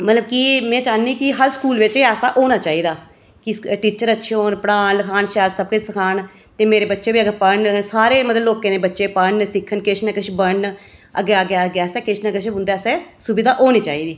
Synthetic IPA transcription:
mət̪ləbkimɛ̃ːd͡ʒaːniːkɪɦəɾskuːlʋɪt͡ʃiɛːsaːʔoːnaːt͡ʃaːiːd̪aː | kɪʈiːt͡ʃəɾətːʃʰeoːnpəɽaːnləkʰaːnʃɛːlsəb̚kʊt͡ʃsəkʰaːn | t̪eːmeːɾeːbətːʃeːbiːəɡəɾpəɳsaːɾeːmət̪ləbloːkẽːneːbətːʃeːpəɳsɪkʰːənkɪt͡ʃʰnɛkəʃʰbəɳ | ə̰ɡeaːɡɡɛːsɛːkɪt͡ʃʰnɛːkəʃʰʊ̃nd̪ɛːsɛːsʊbɪd̪aːʔoːniːt͡ʃaːiːd̪iː

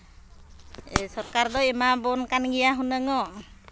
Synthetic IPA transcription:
sɔɾkaɾd̪ɔimabɔnkanɡɛjaɦunəŋɔ

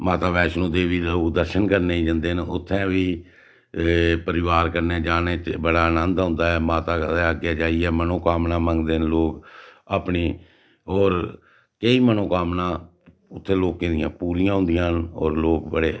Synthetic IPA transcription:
maːt̪aːbɛːʃnõːd̪eːʋiːlod̪əɾʃənkəɾneid͡ʒə̃nd̪eːnʊt̪ʰːɛ̃ːʋiː | pəɾɪʋaːɾkəɾneːd͡ʒaːneːtbəɽaːənə̃nd̪ãʊ̃ːnd̪aːɛːmaːt̪aːeːaɡɪjaːd͡ʒaːiɛːmənõːkaːmnãːmə̃ŋɡd̪eːnloːkaːpniː | ɔːɾ | keiːmənõːkaːmnãː | ʊt̪ʰːẽːloːkẽːd̪ɪjãːpuːɾɪjãːɦʊ̃nd̪ɪjãːnɔ̰ːɾloːkbəɽeː

